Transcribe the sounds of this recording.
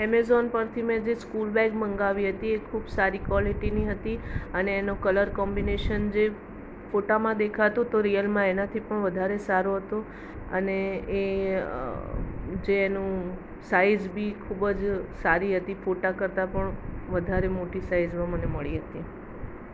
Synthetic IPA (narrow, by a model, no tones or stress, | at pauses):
ɛmezɔnpəɾt̪ʰimẽd͡ʒeskulbɛɡmə̃ŋɡaʋiɦət̪iekʰubsaɾikʋaliʈiniɦət̪iəneːnokələɾkɔmbineʃənd͡ʒe | foʈamãd̪ekʰat̪ũt̪oɾijəlmãenat̪ʰipəɳʋəd̪ʱaɾesaɾoɦət̪o | ə̰neː | d͡ʒeːnũ | saizbʱikʰubəd͡ʒsaɾiɦət̪ifoʈakəɾt̪apəɳʋəd̪ʱaɾemoʈisaizmãməneməɭiɦət̪i